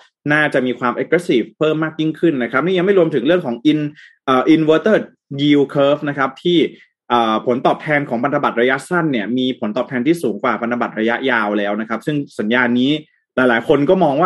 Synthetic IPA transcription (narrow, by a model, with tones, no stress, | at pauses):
naː˥˩t͡ɕa˨˩ʔmiː˧kʰwaː˧mʔa˨˥kɾɛ˧˦˥siː˨˩fpʰɤː˥˩mːaː˥˩k̚ji˥˩ŋkʰɯ˥˩nːa˦˥kʰɾa˦˥p̚niː˥˩ja˧ŋma˥˩jɾu˧əmt̪ʰɯ˩˦ŋɾɯ˥˩əŋkʰɔː˩˦ŋʔi˧n | ʔəː˨˩ʔi˧nwəː˧t̪ɤː˥˩t̪̚ | ɡiː˧wkʰɤː˦˥fna˦˥kʰa˦˥p̚t̪ʰiː˥˩ | ʔəː˨˩pʰo˩˦nt̪ɔː˨˩p̚t̪ʰɛː˧nkʰɔː˩˦ŋpʰa˧nt̪ʰa˧ba˨˩t̪̚ɾa˧ja˦˥ʔsa˥˩nːi˥˩ɐmiː˧pʰo˩˦nt̪ɔː˨˩p̚t̪ʰɛː˧nt̪ʰiː˥˩suː˩˦ŋkwaː˨˩pʰa˧nt̪ʰa˧ba˨˩t̪̚ɾa˧ja˦˥ʔjaː˧wlɛː˦˥wna˦˥kʰa˦˥p̚sɯ˥˩ŋsa˩˦njaː˧nːiː˦˥ | laː˩˦jlaː˩˦jkʰo˧nkɔː˥˩mɔː˧ŋwaː˥˩